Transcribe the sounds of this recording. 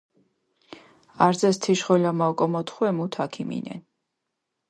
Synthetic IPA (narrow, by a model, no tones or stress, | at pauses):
aɾd̪zɛst̪ʰiʃχɔlamakʼɔmɔt̪ʰχwɛmut̪ʰakʰimḭnɛ̰n